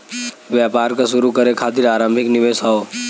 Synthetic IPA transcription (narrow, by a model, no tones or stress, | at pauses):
ʋjaːpaːɾkaʃʊɾukɐɾekʰaːt̪ɪɾaːɾə̃mbʱɪknɪʋeːsɦaoː